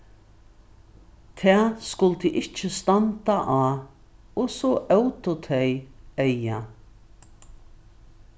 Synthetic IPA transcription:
t̪ʰɛːskʊlt̪əʔɪt͡ʃːəst̪ant̪aʔaː | ɔsɔʔœwt̪ʊt̪ʰɛjɛja

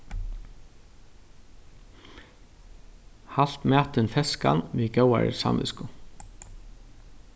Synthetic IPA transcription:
hal̥t̪mæːt̪ɪnfɛskanʋiːɡœwa̰ɾɪ̰sa̰nʋɪ̰skʊ

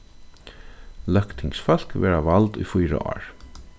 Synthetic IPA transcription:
lœkt̪ʰɪŋksfœl̥kʋɛːɹavalt̪ʊ̰jfujɾa̰ʔɔ̰ːɹ

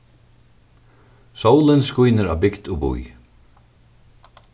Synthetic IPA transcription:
sowlɪnskujnɪɾa̰wbɪkd̪ʊbṵj

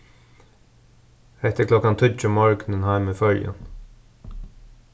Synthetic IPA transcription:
ɛht̪əkʰlɔkːant̪ʰʏt͡ʃʊmɔɹknɪnhaɪmɪfœljə̰n

